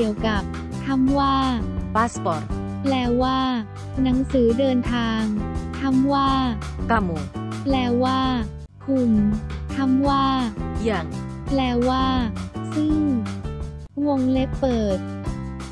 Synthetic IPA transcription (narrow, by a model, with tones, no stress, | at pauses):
i˨˩əwka˨˩p̚ | t̪ʰa˧˥mwaː˥˩paː˦˥spɔː˨˩t̪̚ | plɛː˧˩waː˥˩ | na˩˦ŋsɯː˩˦dɤː˧nt̪ʰaː˧ŋt̪ʰa˧˥˩mwaː˥˩ka˧˩mu˨˩plɛː˧˩waː˥˩ | kʰu˨˩mt̪ʰa˧˥mwaː˥˩ja˧˩ŋplɛː˧˩waː˥˩sɯ˥˩ŋ | wo˧ŋle˦˥pːɤː˨˩t̪̚